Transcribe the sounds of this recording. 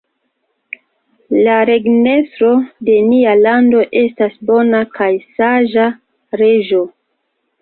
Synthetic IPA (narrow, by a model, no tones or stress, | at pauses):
laɾe̞ɡne̞stɾo̞de̞nialando̞ʔe̞stasbo̞nakʰajsaʒa | ɾe̞ʒo̞